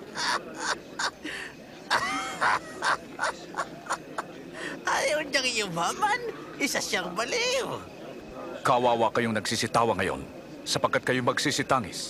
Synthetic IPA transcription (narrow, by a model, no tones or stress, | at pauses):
ʔajowɲaŋjʊbaman | ɪsasaŋbɐliw | kawaːwakɐjoŋnɐɡsisɪt̪aːwɐŋɐjo̰n | sɐpɐɡ̚kat̪̚kɐjomɐɡsisɪt̪aːŋɪ̰s